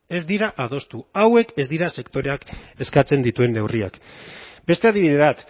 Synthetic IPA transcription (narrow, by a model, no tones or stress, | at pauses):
e̞zd̪iɾaʔað̞o̞st̪uawe̞ke̞zd̪iɾase̞kt̪o̞ɾe̞ake̞skat͡se̞nd̪it̪ue̞nːe̞wria̰kbe̞st̪e̞aðiβiðe̞βat̪